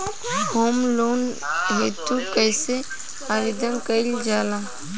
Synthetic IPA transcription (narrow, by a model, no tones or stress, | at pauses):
hoːmloːnɦet̪ukəɪse | aɾid̪ənkəɪld͡ʒaːla